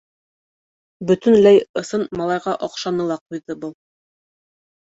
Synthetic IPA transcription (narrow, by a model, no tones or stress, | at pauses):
bɵt̪ɵ̆nlæjɤ̆sɤnmɑlˠɑjʁɑʔɒqʃɑnɤ̆lˠɑqujðɤbɤlˠ